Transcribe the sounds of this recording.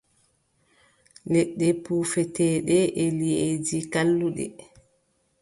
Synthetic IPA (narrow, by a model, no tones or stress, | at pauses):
lɛɗːɛpuːfɛtɛːɗɛʔɛlied͡ʒikalːuɗɛ̰